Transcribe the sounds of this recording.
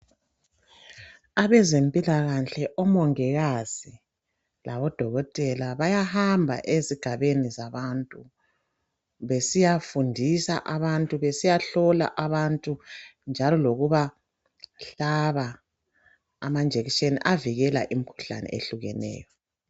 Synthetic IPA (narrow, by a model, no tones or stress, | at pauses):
aβɛzempʼilaɣaɬɛʔɔmɔŋɛɣaz̥i | laβɔd̥ʱɔɣɔtʼɛlaβajahambʱa̰ʔeziɡ̥ʱaβenizaβantʼu | βesijafundʱisa̰ʔaβantʼuβesijaɬɔla̰ʔaβantʼund͡ʒʱalɔloɣuβa | ɬaβa | mand͡ʒʱeɣit͡ʃenḭʔaviɣɛla̰ʔimikʰu̥ɬa̰nɛ̰ḛɬuɣɛ̰nɛ̰ːjɔ